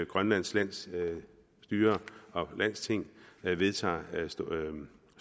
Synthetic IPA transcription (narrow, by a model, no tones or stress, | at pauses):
ɡ̥ʁɶnlæn̰slæn̰s | d̥yːɐɒ̽læn̰st͡sʰe̝ŋ̰ʋe̝ðˠt͡sʰɑ̰̈ːs